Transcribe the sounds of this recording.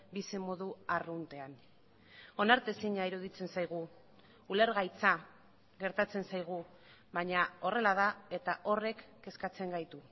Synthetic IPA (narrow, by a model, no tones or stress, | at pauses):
bisimo̞ðuarunt̪e̞an | o̞naɾt̪e̞siɲaiɾuð̞it͡se̞nsajɣ̞uː | le̞ɾɣajt͡sa | ɣe̞ɾt̪at͡se̞nsajɣ̞u | βaɲao̞re̞lað̞ae̞t̪aʔo̞re̞kːe̞skat͡se̞ŋɡajt̪u